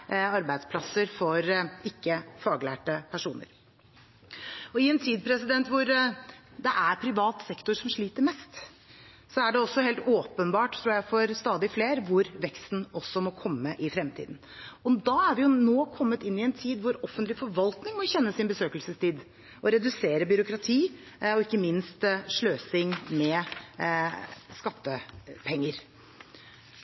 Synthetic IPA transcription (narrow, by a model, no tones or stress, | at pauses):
ɑɾbæɪd̪spʰlɑsəɾfɔɾɪkːəfɑːɡlæ̰ːʈəpʰæʂuːnə̰ɾ | ɔɪɛnt̪ʰiːd̪̚pʰɾɛsɪd̪ɛnt̪ʋʊɾd̪ɛʔæɾpʰɾɪʋɑːt̪sɛkt̪ʊɾʂɔmʂɭiːt̪əɾmɛst̪ | sɔæɖɛɔsːɔheːlt̪oːpənbɑːʈt̪ʰɾuːjæɪfɔɾst̪ɑːd̪ɪfleːɾʋʊɾʋɛkst̪n̩ɔsːɔmɔkʰɔmːəʔɪfɾɛmt̪ʰḭːd̪n̩ | ɔd̪ɑæɾʋɪjʊnoːkʰɔmːət̪ɪnːɪɛnt̪ʰiːd̪ʋʊɾɔfːənt̪lɪfɔɾʋɑlt̪nɪŋmɔçɛnːəsɪnbəsøːkəlsəst̪ʰiːd̪ | ʔɔɾɛd̪ʉseːɾəbʏɾʊkɾɑt̪ʰiː | ɔɪkːəmɪnst̪ʂɭøːsɪŋmɛ | skɑt̪ːəpʰɛŋːəɾ